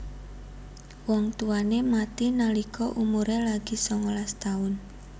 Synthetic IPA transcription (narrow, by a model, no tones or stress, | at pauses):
wɔŋt̪uanemat̪inalikɔʔumuɾelaɡ̥i̤sɔŋɔlast̪aʊn